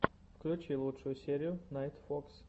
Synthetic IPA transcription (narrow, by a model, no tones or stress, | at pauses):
fklʲʉt͡ɕilˠutʂʊjʊsʲeɾʲɪjʊnajt̪foks